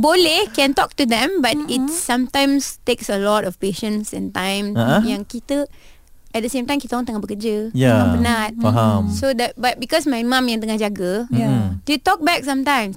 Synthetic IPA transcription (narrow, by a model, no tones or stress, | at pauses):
bolehkɛ̃ntɔk̚tudɛ̃mbat̚itsãmtãjmsteksəlɔtɔfpeʃə̃nsɛ̃ntãjmjãŋkitə | ɛt̚dəsẽmtãj̃mkitəɔ̃ŋt̪əŋahbəkəd͡ʒəjaãnat̚aɦamsodɛbat̚bikɔsmajmãmjãŋt̪̬əŋahd͡ʒaɡə | detɔk̚bɛk̚sãmtãj̃ms